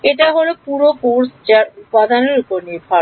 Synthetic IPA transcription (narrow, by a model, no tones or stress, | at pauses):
eʈaɦolopuɾokoɾst͡ɕaɾupad̪aneɾupoɾniɾbʱa